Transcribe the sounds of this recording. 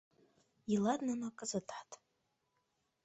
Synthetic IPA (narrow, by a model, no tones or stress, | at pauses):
iladnanakʼɨzɨtʰʼħatʼ